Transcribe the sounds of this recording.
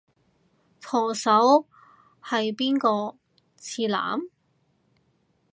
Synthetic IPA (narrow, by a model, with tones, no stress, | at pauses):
t̪ʰɔː˨˩sɐ˨˥w | hɐ˨jpiː˥nkɔː˧ | t͡sʰiː˧la̰ː˨˥m